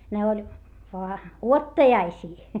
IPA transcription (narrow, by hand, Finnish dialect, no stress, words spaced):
ne olʲ ʋoɑ uotːɑjɑisiː